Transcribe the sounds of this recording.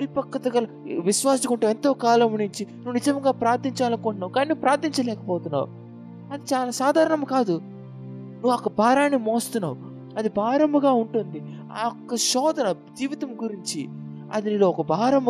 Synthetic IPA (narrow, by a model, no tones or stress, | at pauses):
pɐɾipɐkːɐt̪ɐɡɐlɐʋiʃʋaːsɐkuɳʈuːe̞nt̪o̞ːkaːlɐmunuɲt͡ʃinuʋunid͡ʒɐmɐŋɡaːpɾaːɾt̪ːiɲt͡ʃaːlɐnkoːɳʈunːaːwukaːninuupɾaːɾt̪iɲt͡ʃɐlɛːkɐpɔːt̪unːa̰ːṵ | ɐd̪it͡ʃaːlaːsaːd̪ʱaːɾɐɳɐmukaːd̪u | nuʋːɐkːɐbʱaːɾaːnimoːst̪unːa̰ːwu | ɐd̪ibʱaːɾɐmbɐɡaːuɳʈund̪i | aɔkːɐʃɔːd̪ɐnɐ | d͡ʒiːʋit̪ɐmɡuɾiɲt͡ʃi | ɐ̰d̪iniːloːɔkɐbʱaːɾɐmɐ